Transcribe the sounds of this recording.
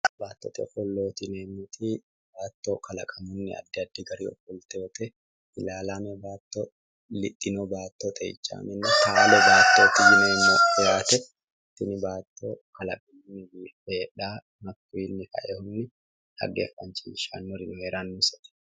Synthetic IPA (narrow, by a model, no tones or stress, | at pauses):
baːt̪ːɔ̰t̪ʼɛ̰fɔlːoːt̪ɪneːmːʊt̪i | baːt̪ːokɐlɐkʼɐmʊnːɪɐ̰d̪ːɛɐd̪ːɪɡɐɾḭːɔ̰fɔlt̪eːt̪ɛ | ɪlaːlamɛbaːt̪ːɔ | lɪt̪ʼːɪnobaːt̪ːot̪ʼɛ̰ɪ̰t͡ʃːa̰ːmɛnːɛtaːlɔbaːt̪ːoːt̪ɪjɪneːmːoɪjaːt̪ɛ | t̪ɪnɪbaːt̪ːo̰kɐlɐkʼɐmʊnːɪbiː | eːᶑaː | mɐkːiːnːɪhɐ̰ʔɛhʊnːɪ | hɐ̰ɡḛːfːɐnt͡ʃiʃa̰ːnːɔɾɪnʊheːɾaːnːʊsɐ̥t̪ɛ̥